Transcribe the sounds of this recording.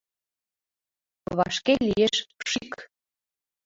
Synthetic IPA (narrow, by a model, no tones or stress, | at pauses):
βɑʃkelijeʃʃik